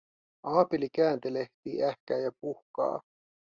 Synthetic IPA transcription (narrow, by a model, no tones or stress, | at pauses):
ɑːpilikæːnt̪eleht̪iːʔæhkæːjɑpuhkɑ̰ː